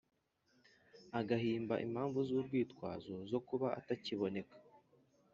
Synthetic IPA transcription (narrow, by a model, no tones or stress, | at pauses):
aɡaɦiːmba̰ʔḭm̤̥haːɱvuzuːbɡiːtkwa̰ːzozo̞kuβaa̰taciβo̞ne̞kḁ